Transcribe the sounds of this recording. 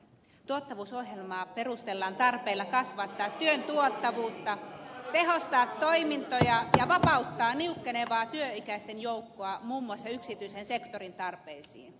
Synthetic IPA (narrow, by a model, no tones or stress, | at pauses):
t̪uot̪ːɑʋuːsohjelmɑːperust̪elːɑːnt̪ɑrpeilːɑkɑsʋɑt̪ːɑːt̪ːyønt̪uot̪ːɑʋuːt̪ːɑt̪ehost̪ɑːt̪ːoimint̪ojɑjɑʋɑpɑut̪ːɑːniukːeneʋɑːt̪yøikæist̪enjoukːoɑmuːmːuɑsːɑyksit̪yisensekt̪orint̪ɑrpeisḭːn